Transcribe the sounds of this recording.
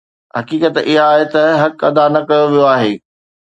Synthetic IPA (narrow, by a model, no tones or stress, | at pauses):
ɦɐkiːkət̪ʔɪɦaːɦet̪ɐɦɐkɐd̪anɐkɐjoʋijoaːɦeː